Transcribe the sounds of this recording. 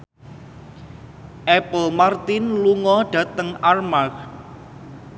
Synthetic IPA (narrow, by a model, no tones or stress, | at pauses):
ʔɛpəlmart̪ɪnluŋɔɖ̥ä̤t̪əŋarmak